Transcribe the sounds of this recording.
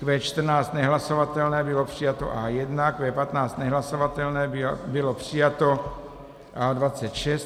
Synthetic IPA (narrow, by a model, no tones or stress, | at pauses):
kvɛːt͡ʃt̪r̩naːt͡st̪nɛɦlasovat̪ɛlnɛːbɪlopr̝̥ijat̪o̰ʔaːjɛd̪nakvɛːpat̪naːt͡st̪nɛɦlasovat̪ɛlnɛːbɪlopr̝̥ɪjat̪o | ʔaːdvat͡sɛt̪ʃɛst̪